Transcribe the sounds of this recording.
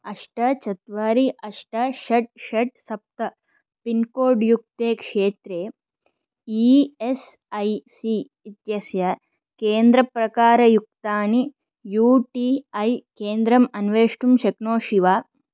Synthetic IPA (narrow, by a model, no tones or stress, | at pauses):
ɐʂʈɐt͡ʃɐt̪ʋaːɾiʔɐʂʈɐʃɐʈ̚ʃɐʈ̚sɐp̚t̪ɐ | pinkoːɾɖjuk̚t̪eːkʂeːt̪ɾeː | ies | ɐjsi | it̪jɐsjɐ | keːnd̪ɾɐpɾɐkaːɾɐjuk̚t̪aːni | juːʈiɐjkeːnd̪ɾɐmɐnʋeːʂʈumʃɐknoːʃiʋaː